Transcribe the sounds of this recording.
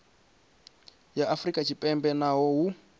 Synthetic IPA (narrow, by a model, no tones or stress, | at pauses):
jaʔafrikʼat͡ʃʰipʼɛmbɛnaɦɔɦu